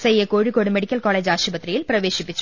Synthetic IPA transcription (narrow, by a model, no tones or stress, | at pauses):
sɛjːɐkoːɻɪkːoːɽɯmɛɽɪkʲːɐlkaːleːd͡ʒaːʃɐbɐt̪ːɾɐjɪlpɪɾɐʋeːʃɪpːɪt͡ʃː